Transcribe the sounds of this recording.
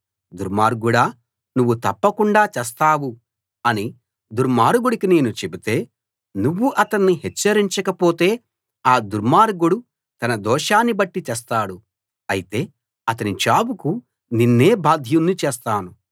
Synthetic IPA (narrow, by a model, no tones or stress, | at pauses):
d̪uɾmaːɾɡuɽaː | nuʋːut̪ɐpːɐkuɳɖaːt͡ʃɛːst̪aːwu | ɐni | d̪uɾmaːɾɡuɽikine̞ːnut͡ʃebit̪e̞ː | nuʋːuʔɐt̪ɐnːiɦɛt͡ʃːɐɾiɲt͡ʃɐkɐpo̞ːt̪e̞ː | aːd̪uɾmaːɾɡuɽu | t̪ɐnɐd̪ɔːʃaːnːibɐʈːit͡ʃɛːs̬t̪aːɽu | ɐjit̪e̞ː | ɐt̪ɐnit͡ʃaːbuku | ninːe̞ːbaːd̪ʱjunːit͡ʃɛːst̪aːnu